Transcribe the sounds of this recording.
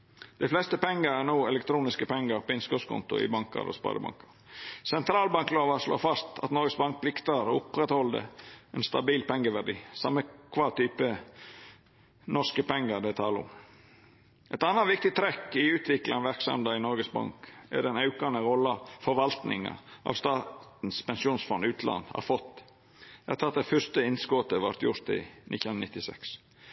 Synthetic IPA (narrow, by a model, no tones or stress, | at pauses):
d̪̥æɪflɛst̪əpɛŋːəɾænuːɛlɛk̚t̪ʰɾuːnɪskəpʰɛŋːɑɾpʰɔɪnskɔskʰʊ̰nt̪ʊ̰ɪ̰bɑŋkɑ̰ɾʔo̰spɑ̰ːd̪əbɑ̰ŋkɑɾsɛnt̪ʰɾɑːlbɑŋkloːʋɑʂlo̰ːfɑst̪ɑt̪nɔɾɡəsbɑŋk̚pʰlɪkt̪ɑɾɔʊpɾɛt̪hɔld̪ə̰ɛnst̪ɑbiːlpɛŋɡəʋæɖḭːsɑmːəkʰʋɑːt̪ʰyːpə | nɔʂkəpɛŋːəɾd̪ɛt̪ʰɑːləʊ̰m | ʔɛt̪ɑnːɑʋɪk̚t̪ɪt̪ʰɾɛkɪʉːt̪ʰʋɪklʔɑnʋæɾksɑ̰md̪ɑɪnɔɾɡəsbɑ̰ŋkɛ̰ɖɛnɑʉkɑnəɾɔlːɑfɔɾʋɑlt̪nɪ̰ŋɑ̰ʔɑ̰ʋst̪ɑːt̪n̩spɛnsuːnsfɔnʉːt̪ʰlɑ̰nd̪ɑ̰ɾfɔt̪ː | ɛhɑt̪ʰɑt̪̚d̪ɛfœst̪əɪnskɔt̪əʋɑ̰ɾt̪jʊɾt̪ɪ̰nʔɪt̪ːnɪt̪ːɪsɛ̰ks